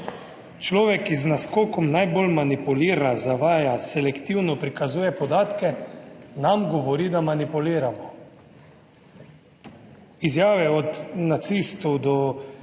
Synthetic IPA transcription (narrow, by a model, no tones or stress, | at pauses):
t͡ʃlɔːʋɛkːiznaskɔːkɔmnajbolmanipuliːɾazaʋaːjasɛlɛkt̪iwnɔpɾikazuːjɛpɔd̪aːt̪kɛnamɡɔʋɔɾiːd̪amanipuliːɾamɔ | izjaːʋɛɔd̪nat̪sist̪ɔwd̪ɔ